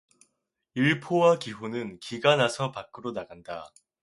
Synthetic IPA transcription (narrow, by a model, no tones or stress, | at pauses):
iɭpʰowakiɸonɯnkiɡanasʰʌpak͈ʰɯɾonaɡanda